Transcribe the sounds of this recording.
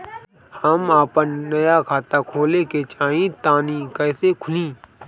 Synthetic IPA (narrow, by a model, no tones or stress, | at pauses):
həmaːpənːəjakʰaːt̪akʰoːleket͡ʃaːɦĩt̪ãːnikɛːsekʰʊlĩː